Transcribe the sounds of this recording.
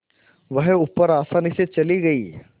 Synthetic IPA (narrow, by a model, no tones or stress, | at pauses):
ʋɐɦʊpːəɾaːsaːniset͡ʃɐliɡɐiː